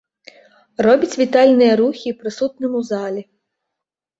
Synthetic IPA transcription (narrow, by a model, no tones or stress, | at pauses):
rɔbʲɐt͡sʲʋʲit̪ɑlʲnɛjɐɾuxʲipɾɪsut̪nɔmʊzɑlʲi